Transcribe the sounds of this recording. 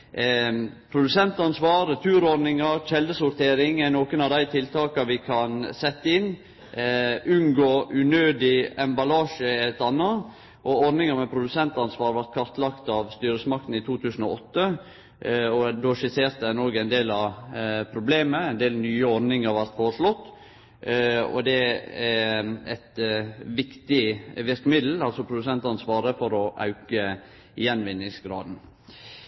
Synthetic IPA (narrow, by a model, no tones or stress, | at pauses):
pʰɾʊd̪ʉsɛnt̪ɑnsʋɑːɾt̪ʰʉːɾɔɾnɪŋɑɾçɛld̪əsʊɾt̪ʰeːɾɪŋænoːkənɑʋd̪æɪt̪ʰɪlt̪ʰɑːkɑʋɪkʰɑnsɛt̪ːəɪn | ʔʉŋɡoːʔʉnøːd̪ɪɛmbɑlɑːʂəɛt̪ɑnːɑ | ʔɔɔɾnɪŋəɾmɛpʰɾʊd̪ʉsɛnt̪ɑnsʋɑːɾʋæɾt̪̚kʰɑɾt̪lɑkt̪ɑʋst̪yːɾəsəmɑkt̪n̩ɪt̪ʰuːt̪ʰʉːsn̩ɔ̰ɔt̪ːə | ɔd̪oːʂɪseːɾt̪əænoːɡæɪnd̪eːlɑʋpʰɾʊbleːməæɪnd̪eːlnyːəɔɾnɪŋɑɾʋɑlt̪foːɾəʂlɔt̪ː | ɔ̰d̪ɛææ̰t̪ʋɪkt̪ɪʋɪɾkəmɪd̪l̩ɑlsɔpʰɾʊd̪ʉsɛnt̪ɑnsʋɑːɾəfɔɾɔʔɑ̰ʉkə | jɛnʋɪnːɪŋsɡɾɑ̰ːd̪n̩